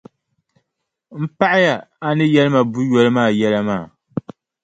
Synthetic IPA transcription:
m̩˦pa˦ʔa˦ja˨a˦nɨ˦jɛ˦lɨ˦ma˨bu˦jɔ˨lɨ˦maː˦˨jɛ˦la˦maː˦˨

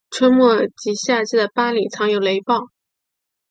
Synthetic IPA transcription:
ʈ͡ʂʰwə˥nmwɔ˥˩t͡ɕi˧˥ɕja˥˧t͡ɕi˥d̪ə˨˩pa˥li˨˩t͡sʰɑ˧˥ŋjo˨˩ʊle˧˥ɪpɑ˥˩ʊ

